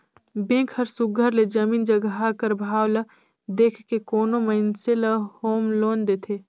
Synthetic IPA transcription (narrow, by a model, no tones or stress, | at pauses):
bẽːkʰəɾsʊɡʱəɾled͡ʒəmiːnd͡ʒəɡɦakəɾbʱaːwlə | d̪eːkʰkekoːnoməɪnseləhoːmloːnd̪eːt̪ʰeː